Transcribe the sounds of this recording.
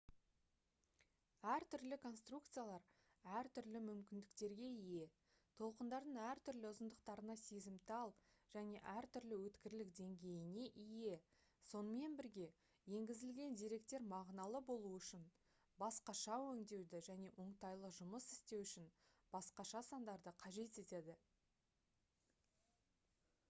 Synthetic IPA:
æɾt̪ʏɾlɪkʰo̞nst̪rukt̪sɨjalˠɑɾ | æɾt̪ʰʏɾlɪmʏmkʲɪnd̪ɪkt̪e̞ɾɡʲe̞ije̞ | t̪ʰo̞lˠqənd̪ɑɾd̪əɴæɾt̪ʰʏɾlɪʊzənd̪əq̚t̪ɑɾənɑsezɪmt̪ɑlˠʒ̥æne̞ʔæɾt̪ʏɾlɪwɵt̪kʲɪɾlɪk̚d̪e̞ŋɡʲe̞jɪne̞ʔije̞so̞nəme̞nbɪɾɡʲe̞ | je̞ŋɡʲɪzɪlɡʲe̞nd̪eɾe̞k̚t̪e̞ɾmɑʁnɑlˠəbo̞lˠuʏʃɪn | bɑsqɑʃɑwɵŋd̪e̞wd̪ɪʒæne̞wʔo̞ɴt̪ɑjlˠəʒʊməsɪ̥st̪e̞wʏʃɪnb̥ɑsqɑʃɑsɑnd̪ɑɾd̪əqʰɑʒe̞t̪e̞t̪e̞d̪ɪ

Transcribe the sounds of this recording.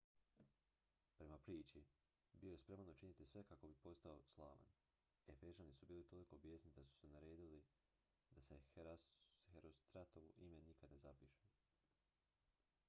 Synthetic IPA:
pɾe̞mapɾiːt͡ʃi | bijo̞je̞spɾe̞manut͡ʃinit̪isʋe̞kakobipo̞st̪ao̞slˠa̰ːʋa̰n | e̞feʒanisubiːlit̪o̞liko̞bjeːsnid̪asu̥senaɾe̞ːd̪ili | d̪ase | heɾost̪ɾat̪oʋuʔimenikad̪ne̞zapiʃu

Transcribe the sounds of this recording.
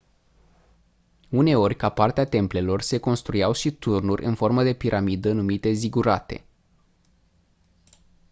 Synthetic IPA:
une̞o̞rʲkapart̪eat̪e̞mple̞lo̞rse̞ko̞nst̪ɾujawʃit̪urnurʲʔɨ̰nfo̞rməd̪e̞piɾʔamid̪ənumit̪e̞ziɡuɾat̪e̞̰

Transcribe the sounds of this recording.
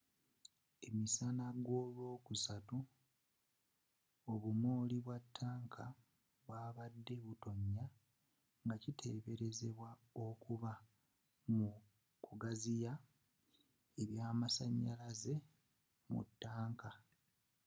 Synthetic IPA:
e̞misanaɡwo̞ːlwo̞ːkusatu | o̞βumoːliβwatʰːaːŋkʰa | βwaːβadːe̞βuto̞ɲːa | ŋɡacitʰe̞ːβe̞ɾe̞ze̞βwao̞kuβa | mu | kuɡazija | eβjaːmasaɲːalaze̞ | mṵtːaːŋka

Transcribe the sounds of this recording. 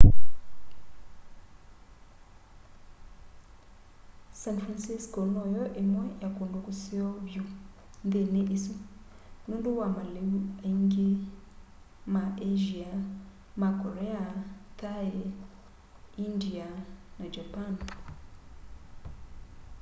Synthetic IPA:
sanfɾansiskɔnɔjɔʔemwɛjakondukusiɔvju | nd̪eneʔisu | nunduwamaleŋɡi | maʔeʒia | makɔɾɛat̪ae | indianad͡ʒapan

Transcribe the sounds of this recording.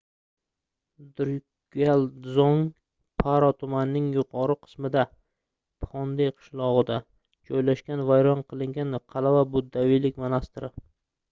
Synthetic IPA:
d̪ʊɾ | ɡʲalˠzɒŋ | pʰaɾɒt̪ʰʊmanːɪŋjʊqʰɒɾɨqʰɨ̥smɪd̪a | pʰɒnd̪ejqʰɨ̥ʃlˠɒʁɨd̪a | d͡ʒɒjlaʃkʲanvajɾɒnqʰɨlˠɪŋɡʲanqʰɑlavabʊd̪ːavijlɪkʲmanast̪ɪɾɪ

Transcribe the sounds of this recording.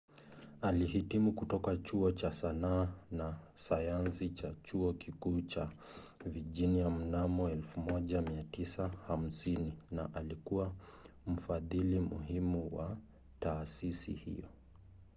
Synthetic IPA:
alihitimukutɔkat͡ʃuɔt͡ʃasanaːnasajansit͡ʃat͡ʃuɔkikuːt͡ʃa | viʄiniam̩namɔɛlfumɔʄamiatisaham̩sininaʔalikuwam̩faðilimṵɦimuwa | taːsisḭhḭjɔ

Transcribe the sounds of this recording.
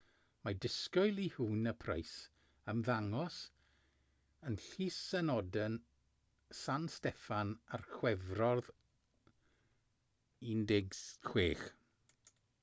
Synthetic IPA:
madɪskɔjlˠihuːnəpʰra̰js | əmðaŋɔs | ənɬiːsːɛnɔdən | sanstɛfanarxwɛvrɔrð | ɪndɪɡskʰweːχ

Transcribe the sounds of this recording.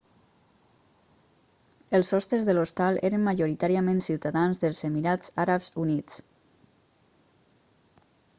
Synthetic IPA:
elˠsɔst̪ɾezðəlost̪alˠʔeɾəmmaʒoɾit̪aɾiamẽnsiwt̪aðanzðəlˠzemiɾaz̥aɾapzunit͡s

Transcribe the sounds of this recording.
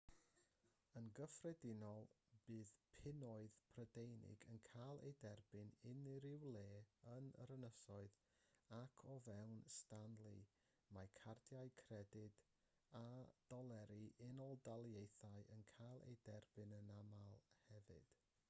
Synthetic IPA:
ənɡəfrɛdɪnɔlˠ | b̥ɨːðpʰɪnɔɨðpʰrədejnɪ̰ɡənkʰalˠḛjdɛrbɨnɪnɪɾɪwlˠeːənə̰ɾənəsɔɨð | akʰɔvɛwnstanlˠi | majkʰardjaɨkʰrɛdɪd̥ | ad̥ɔlˠɛɾiʔɪnɔlˠdalˠjejθaɨʔənkʰalˠḛjdɛrbɨnənamalˠhɛvɨ̰d̥

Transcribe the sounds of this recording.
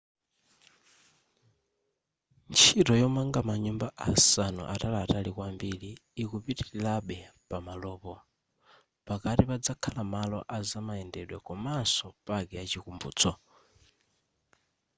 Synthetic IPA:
nt͡ʃʰitɔjɔmaŋɡamaɲumbaʔasanṵʔatalaːtalikwambiliːkupitilaɓɛpamalɔːpɔ | pakatipad͡zakʰalamalɔ̰ʔazamaɛndɛɗwɛkɔmansɔpakɛat͡ʃikumbṵːt͡sɔ

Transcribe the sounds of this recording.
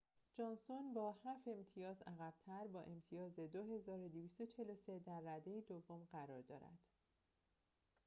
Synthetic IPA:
d͡ʒɒnsonbɒːhæfe̞mt̪ʰijɒːzæɣæb̥̚t̪ʰæɾbɒːʔe̞mt̪ʰijɒːze̞d̪oɦe̞zɒːɾod̪eviːst̪o̞t͡ʃʰe̞lo̞se̞d̪æɾːæd̪e̞jid̪ovːomɢæɾɒːɾd̪ɒ̰ːɾæ̰d̪̥

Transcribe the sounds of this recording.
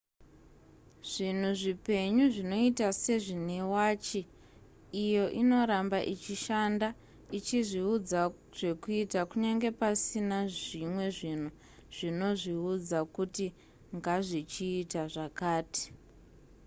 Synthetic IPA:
ʐ̥in̤uʐipe̞ɲuʐino̞itase̞ʐinewaːt͡ʃiː | jo̞ʔino̞ɾambaʔit͡ʃiʃanda | it͡ʃiʐiud͡za | ʐ̥e̞kuitakuɲaŋɡe̞pasinaʐimwe̞ʐin̤u | ʐ̥ino̞ʐiud͡zakuti | ŋɡaʐit͡ʃiːtaʐakaːti̥

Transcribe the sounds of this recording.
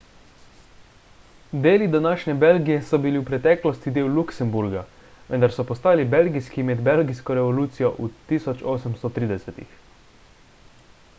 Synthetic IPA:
d̪eːlid̪anaːʃnʲɛbelɡijɛsɔbiliwpɾɛt̪ɛːklɔst̪id̪eːwluksɛmbuɾɡa | ʋɛnd̪aɾsɔpɔst̪aːlibelɡijskimɛd̪belɡijskɔɾɛʋɔluːt̪sijɔʔut̪iːsɔt͡ʃoːsəmst̪ɔt̪ɾiːd̪ɛsɛt̪ḭx

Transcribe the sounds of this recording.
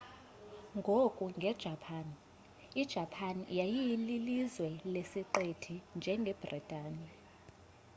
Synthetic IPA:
ŋɡʱokʼuŋɡʱɛd̥ʒ̥ʱapʰan | id̥ʒ̥ʱapʰanjajijililizwɛlesiǃetʰind͡ʒʱɛŋɡʱɛb̥ritʼaːni

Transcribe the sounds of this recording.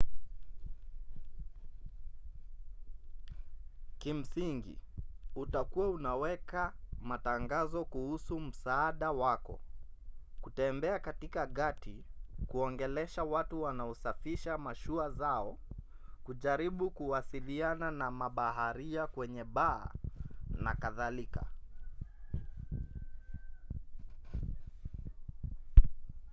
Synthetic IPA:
kim̩siŋɡḭutakuaunawɛkamataŋɡazɔkuhusum̩saːɗawakɔ̰ | kutɛmbɛakatikaɠatikuɔŋɡɛlɛʃawatuwanaɔsafiʃamaʃuazaɔ | kuʄaɾiɓukuwasiliananamaɓaɦaɾiakwɛɲɛɓa̰ː | na̰kaðalika̰

